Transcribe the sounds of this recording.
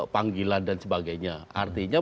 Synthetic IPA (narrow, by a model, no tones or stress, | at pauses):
paŋɡilandansəbaɡajɲaʔart̪iɲa